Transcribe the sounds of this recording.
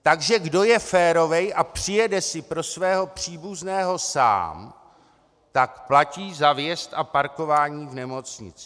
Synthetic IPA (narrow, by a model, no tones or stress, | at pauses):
t̪aɡʒɛɡdo̞jɛfɛːɾo̞vɛjʔapr̝̥ɪjɛdɛsɪpɾo̞svɛːɦo̞pr̝̥iːbuznɛːɦo̞sa̰ːm | t̪akplaciːzavjɛst̪ʔapaɾko̞vaːɲiːvnɛmo̞t͡sɲɪ̰t͡sɪ